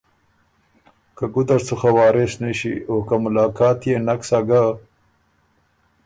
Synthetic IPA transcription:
kaɡʊd̪aɾt͡suxawɑːɾɪsnaʃḭokamʊlɑːkɑːt̪jenaksaɡa

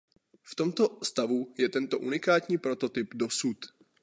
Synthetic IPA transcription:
ft̪o̞mt̪o̞st̪avujɛt̪ɛnt̪o̞ʔunɪkaːt̪ɲiːpɾo̞t̪o̞t̪ɪpdo̞sut̪

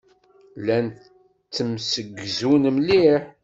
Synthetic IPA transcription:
læn | t͡sːəmsəɡːzunmliħ

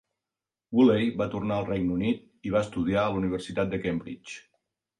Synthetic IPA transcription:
wulejβat̪urnaəlˠrɛjnunit̪̚ | iβ̞aəst̪uðiaəluniβ̞əɾsit̪at̪̚d̪əkɛmbɾḭt͡ʃ

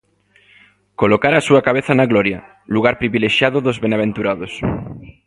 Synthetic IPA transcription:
kolokaɾaːsuakaβ̞eθanaɣloɾja̰ | luɣ̞aɾpɾiβileʃjaðoðozβenaβ̞ent̪uɾaðos

